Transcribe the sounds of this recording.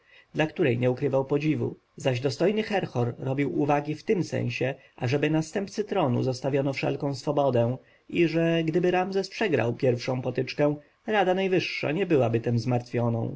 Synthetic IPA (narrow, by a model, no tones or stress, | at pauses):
d̪lakt̪uɾɛjɲɛukɾɘvawpɔd͡ʑivṵ | zaʑd̪ɔst̪ɔjnɘxɛɾxɔɾːɔbʲiwuvaɡʲift̪ɘmsɛ̰̃ɲ̃ɕɛ | ʔaʐɛbɘnast̪ɛmpt̪sɘt̪ɾɔnṵzɔst̪avʲjɔnɔfʂɛ̰lkɔ̃w̃sfɔbɔd̪ɛ̃ | ʔiʐɛɡd̪ɘbɘɾamzɛspʂɛɡɾa̰wpʲjɛɾfʂɔ̃w̃pɔt̪ɘt͡ʂkɛ̃ | ɾad̪anajvɘʂːa̰ɲɛbɘwabɘt̪ɛmzmaɾt̪fʲjɔnɔ̰̃w̃